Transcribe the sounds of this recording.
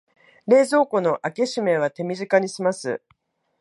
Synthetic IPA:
ɾe̞ːzo̞ːko̞no̞ʔake̞ɕime̞β̞at̪e̞mʲiʑikaɲ̟isimasɨ̰

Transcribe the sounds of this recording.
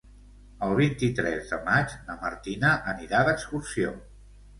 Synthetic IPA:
əlˠβ̞int̪it̪ɾɛzðəmad͡ʒləmə̰ɾt̪inəʔəniɾaðəkskursio

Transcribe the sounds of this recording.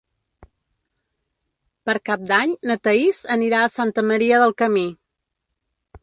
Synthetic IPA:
pəɾkap̚d̪aɲnət̪əizəniɾaəsant̪əməɾiəðəlˠkəmi

